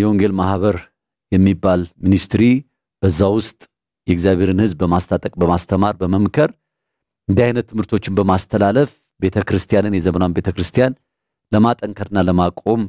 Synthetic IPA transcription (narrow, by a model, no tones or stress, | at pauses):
jɛo̞ŋɡe̞lmahβəɾ | jɛmːibːalminist̪ɾi | b̥əzːawʊst̪ʼ | jɛɡzjaβʱe̞ɾɨnhɨzbːəmast̪ʰat̪ʼəkʼbəmast̪ʰəmaɾbəməmkʰəɾ | ɨnd̪iajnət̪ːɨmhɨɾt̪ʰo̞t͡ʃːɪnbəmast̪ʰəlaləf | be̞t̪ʰəkɾɨst̪ʰijanɨnjɛzəmənawanbe̞t̪ʰəkɾɨst̪ʰijan | ləmat̪ʼəŋkʰəɾɨnːaləmakʼo̞m